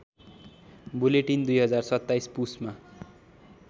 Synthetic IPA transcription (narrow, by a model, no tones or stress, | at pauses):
buleʈind̪ujɦʌd͡zarsʌt̪ːajspusma